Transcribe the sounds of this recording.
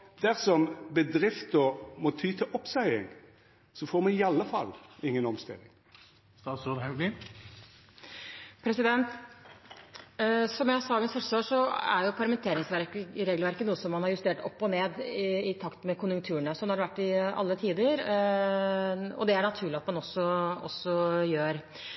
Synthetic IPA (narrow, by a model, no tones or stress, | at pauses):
d̪̥æʁsɔmbəd̪ɾɪft̪ɔmɔt̪ʰyːt̪ʰɪʔɔpsæɪɪ̰ŋ | sɔfoːɾmɑnɪɑlːəfɑ̰lɪŋːənɔmst̪ɪ̰lːɪŋ | st̪ɑːt̪sud̪hɑʉɡlɪ | pʰɾɛsɪd̪ɛnt̪ | sɔmjæhɑsɑɡənsfœʂsoːʂɔæ̰ɾjʊpʰɑɾmɛnt̪ʰeːɾɪŋsʋæɾkɾeːɡlʋæɾkənuːəsɔmːɑnhɑɾjʉst̪eːʈɔpːɔneːd̪ɪt̪ʰɑkt̪mɛkʊnjʉŋkt̪ʰʉːəɳəsɔnohɑɖɛʋæʈːɪɑ̰lːət̪ʰiːd̪əɾ | ɔ̰d̪ɛæɳɑt̪ʰʉːɭɪɑt̪mɑnɔsːɔɔ̰sːɔjøːɾ